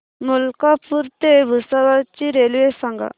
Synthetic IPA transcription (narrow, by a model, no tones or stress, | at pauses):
mulkapuɾt̪eʋɯsawat͡ɕiɾelwesaŋɡa̰